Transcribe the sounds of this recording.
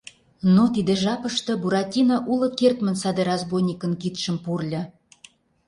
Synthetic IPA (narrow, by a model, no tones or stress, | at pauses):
not̪id̪ĕʒɑpəʃt̪ɤ̆buɾɑtʲinɑʔulə̆kert̪mə̆nsɑd̪eɾɑzbojnʲikə̆nkit̪ʃə̆mpurlʲɤ̆